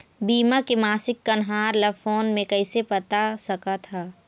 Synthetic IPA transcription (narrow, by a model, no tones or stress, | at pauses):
biːmakemaːsɪkːɐnɦaːɾlafoːnmẽkɐɪsepɐt̪asɐkat̪ʰaː